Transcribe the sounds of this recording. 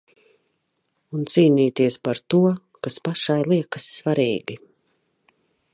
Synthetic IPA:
unt̪siːniːt̪iɛspaɾt̪uɔ | kaspaʃajlˠiɛkəsːvaɾiːɡi

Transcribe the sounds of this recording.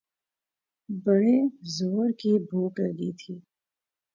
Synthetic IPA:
bəɽezoːɾkibʱuːkləɡit̪ʰiː

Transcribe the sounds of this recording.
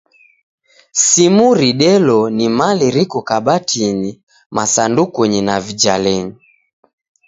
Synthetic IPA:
simuɾiɗɛlɔnimaliɾikɔkaɓatʰini | masandukuɲinavid͡ʒalɛɲi

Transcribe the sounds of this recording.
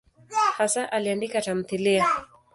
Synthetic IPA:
hasaʔaliandikatam̩θilia

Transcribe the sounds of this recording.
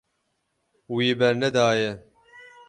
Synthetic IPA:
wiːbɛɾnɛd̪aːjɛ

